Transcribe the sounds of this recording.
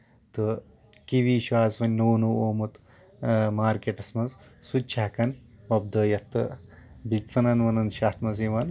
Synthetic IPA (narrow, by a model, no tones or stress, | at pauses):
t̪ɨ | kiʋiːʃaːzʋɐnʲːoːnuoːmut̪ | maːɾkeʈɐsmɐnzsut̪̚t͡ʃʰakɐnʋɐbd̪ɐːjɐt̪ːɨ̰bit͡sɐnɐnʋɐnɐnʃaːt̪mɐziʋɐn